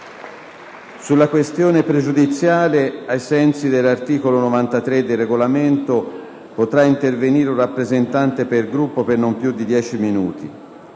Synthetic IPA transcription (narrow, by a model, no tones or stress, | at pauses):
sulːakwest̪joːnepɾed͡ʒud̪it̪sːjaːleajsɛnsid̪elːart̪iːkolonovant̪at̪ɾed̪ːerːeɡolament̪o | pot̪ɾaint̪erveniːɾurapːɾezent̪ant̪epelɡɾupːopernompjud̪ːid̪jɛːt͡ʃiminuːt̪ḭ